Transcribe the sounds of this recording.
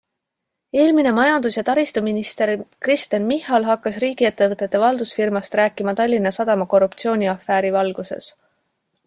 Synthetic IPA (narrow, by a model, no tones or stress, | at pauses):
e̞ːlmine̞mɑjɑnd̪̥usjɑt̪ɑɾist̪uminist̪e̞ɾkrist̪enmihɑlɦɑkːɑsriːɡ̥ie̞t̪ːe̞vɤt̪ːˑe̞t̪ːe̞vɑld̪̥usfirmɑst̪ɾæːkːˑimɑt̪ɑlʲːinːɑsɑd̪̥ɑmɑko̞rːup̚t̪sio̞ːnʲiɑfːæːɾivɑlɡ̥use̞̰s